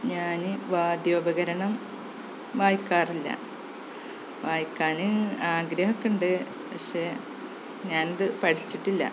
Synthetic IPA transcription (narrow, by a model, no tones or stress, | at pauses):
ɲaːnɨʋaːd̪joːbɐɣɐɾɐɳɐm | ʋaːjkːaːrilːɐ̰ | ʋaːjkːaːnɨaːɡɾɐɦɐkːuɳɖɨ | pɐkʂeː | ɲaːnɐðɨpɐʈʰit͡ɕːiʈːilːɐ̰